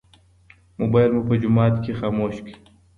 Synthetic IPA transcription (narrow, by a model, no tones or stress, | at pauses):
mobajlmupəd͡ʒumɑːt̪kʰexaːmoːɕki̥